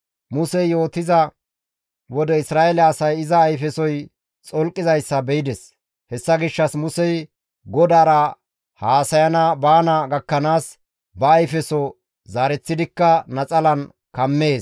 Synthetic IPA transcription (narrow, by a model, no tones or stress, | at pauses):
mʊsɛjjo̞ːt̪ɪzɐ | wɔd̪ɛɪsɾaːʔɛlɛːsɐjɪzɐːjfɛsɔj | t͡sʼɔlkʼːɪzɐjsːɐbɛjɪd̪ɛs | hɛsːɐɡɪʃːɐsmʊsɛj | ɡɔd̪aːɾɐ | haːsɐjɐnɐbaːnɐɡɐkːɐnaːs | bɐːjfɛsɔ | zaːɾɛt͡sːɪd̪ɪkːɐnɐt͡sʼɐlɐn | kɐmːe̞ːs